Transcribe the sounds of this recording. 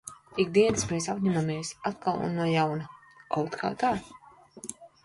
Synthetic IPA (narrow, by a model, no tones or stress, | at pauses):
iɡd̪iɛnɨsmɾɛsapɲʲæmameɛsat̪kalˠṵnːuɔjawna | kawt̪kʰa̰ːt̪aː